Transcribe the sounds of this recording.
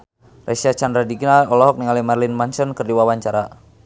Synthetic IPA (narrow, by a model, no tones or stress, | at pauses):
rʔɛsiat͡ʃandɾadiɡinaɔlɔɦɔk̚niŋalimarlinmansɔnkərdiwawaɲt͡ʃaɾa